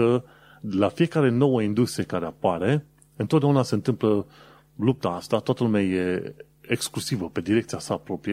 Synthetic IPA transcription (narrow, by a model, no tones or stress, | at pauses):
ə | lafije̞kaɾe̞no̞wəind̪ust̪ɾie̞kaɾe̞apaɾe̞ | ɨnt̪ot̪d̪eunase̞nt̪ɨmplə | lup̚t̪aast̪at̪oat̪əlumeaje̞ | eksklusivəpe̞d̪iɾe̞k̚t̪siasaːpɾo̞pɾije